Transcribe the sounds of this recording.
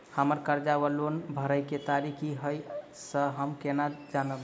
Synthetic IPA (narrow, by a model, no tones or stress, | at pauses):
həməɾkəɾd͡ʒawəlonbʱəɾəjket̪aɾikʰiɦəj | səɦəmkenad͡ʒanəb